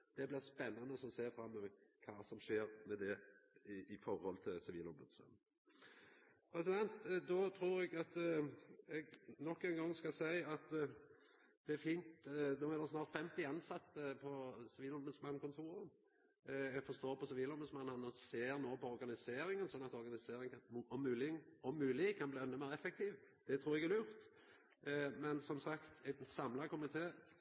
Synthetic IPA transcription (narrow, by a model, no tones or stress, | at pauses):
d̪̥ɛblɪʁspɛnːɑnəɔsɔseːɾfɾɑmːəəkʰɑːsɔmʂeːɾmɛd̪ɛ | ɪfɔɾhɔlt̪ʰɪlsɪʋḭːlɔmbʉd̪smɑ̰n | pʰɾɛsɪd̪ɛnt̪d̪ɔt̪ʰɾuːɾɛɡɑt̪ | ɛɡnɔkːɛŋɡɑŋːskɑsæɪɑt̪ | d̪̥ɛæɾfiːnt̪d̪oːɛd̪ɛsnɑːʁt̪fɛmt̪ɪɑnsɑt̪ːəpʰɔsɪʋiːlɔɾbəsmɑnːkʰʊnt̪ʰuːɾə | ɛɡfɔst̪oːɾpʰɔsɪʋiːlɔmbəsmɑnːənɔseːɾnoːpɔɔɾɡɑnɪseːɾɪŋənsɔnːɑt̪ɔɾɡɑnɪseːɾɪŋɔmːʉːlɪɔmːʉːlɪkʰɑnbliːɛnəmeːɾɛfɛk̚t̪ʰiːʋd̪̥ɛt̪ʰɾuːɾɛɡɛɾjʊʁt̪ | mɛnsɔmsɑkt̪ɛsɑmlɑkʊmɪt̪ʰeː